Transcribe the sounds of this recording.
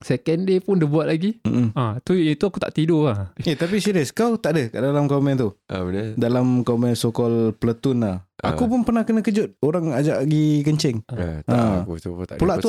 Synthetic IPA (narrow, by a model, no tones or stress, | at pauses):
sɛkɛndepʊndibuat̪̚laɡim̩at̪uit̪uakut̪a̰ʔt̪idoahat̪ap̬isiɾiəskawt̪aʔdəkaʔdalamkamɛnt̪udalamkamɛsokɔlpələt̪ʊnaha̰kupʊnpərnahkənə̃kəd͡ʒʊt̪̚oɾaŋad͡ʒaʔɡikəɲt͡ʃɛŋã | pulaʔt̪u